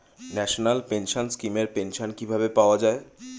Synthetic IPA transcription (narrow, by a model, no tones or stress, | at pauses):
nɛʃonalpenʃonskimeɾpenʃonkibʱabepaoad͡ʑae